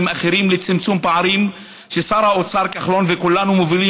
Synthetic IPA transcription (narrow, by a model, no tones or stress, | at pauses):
maχeɾimlet͡simt͡sumpaʕaɾim | ʃesaɾhaot͡saɾkaχlonvekulːanumovili